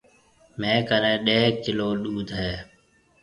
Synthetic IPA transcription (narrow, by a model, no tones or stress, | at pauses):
mẽːkəɾẽːɗeːkɪloːɗuːd̪ʱɦeː